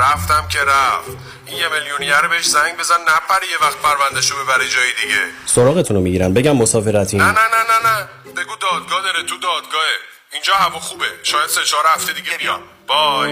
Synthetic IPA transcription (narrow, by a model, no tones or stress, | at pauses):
ɾæft̪æmcʰe̞ɾæft̪ | ʔinjemeljunijæɾobeheʃzæŋɟbe̞zænnæpʰæɾijevæxt̪̚pʰæɾvænd̪eʃobe̞bæɾid͡ʒɒːjed̪iɟesoɾɒːɣe̞t̪ʰunomiɟiːɾænbe̞ɟæmːosɒːfe̞ɾæt̪ʰinænænænænæ | b̥e̞ɡuːd̪ɒːd̪̚ɡɒːd̪ɒɾet̪ʰud̪ɒːd̪ɡɒːhe | ind͡ʒɒːɦævɒxubeʃɒːjæd̪̥set͡ʃɒːɾæft̪ed̪iɡɟebijɒ | b̥ɒ